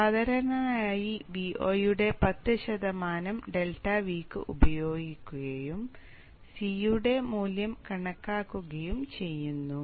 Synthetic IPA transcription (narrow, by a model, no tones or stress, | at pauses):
sɐðɐɾɐnɐaːjibiʔoːjuɽe̞pɐt̪ːɨɕɐd̪ɐmaːnɐmɖe̞lʈɐʋiːkːɨ̰ʔubɐjo̞ːɡikʲːuɣɐjum | sijuɽe̞muːljɐmkɐɳɐkːaːkːuɣɐjumt͡ɕe̞jːunːu